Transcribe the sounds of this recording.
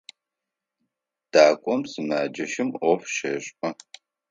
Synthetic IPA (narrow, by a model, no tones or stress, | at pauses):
d̥aːkʷʼɔmsɨmaːd͡ʒɐʃɪmɔfʃɐɕʼqʼɐ